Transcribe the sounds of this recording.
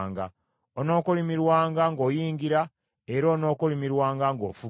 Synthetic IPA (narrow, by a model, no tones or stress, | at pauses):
ŋɡa | ono̞ːkolimiɾwaːŋɡaŋɡo̞ːjiːŋɡiɾa | e̞ɾoːno̞ːkolimiɾwaːŋɡaŋɡo̞̰ːfu